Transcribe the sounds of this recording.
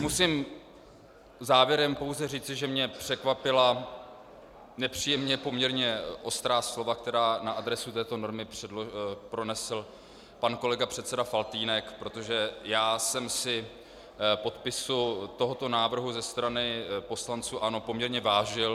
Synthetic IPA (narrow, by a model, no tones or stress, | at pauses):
musim | zaːvjɛɾɛmpo̞wzɛr̝iːt͡sɪʒɛmɲɛpr̝̥ɛkvapɪla | nɛpr̝̥iːjɛmɲɛpo̞mɲɛɾɲɛʔo̞st̪ɾaːslo̞vak̚t̪ɛɾaːnaʔad̪ɾɛsut̪ɛːt̪o̞no̞ɾmɪpr̥ɛpɾo̞nɛsl̩ | panko̞lɛɡapr̥ɛt̪sɛdafalt̪iːnɛkpɾo̞t̪o̞ʒɛjaːsɛmsɪ | po̞t̪pɪsut̪o̞ɦo̞t̪o̞naːvr̩ɦuzɛst̪ɾanɪpo̞slant͡suːʔano̞pomɲɛɾɲɛvaːʒɪl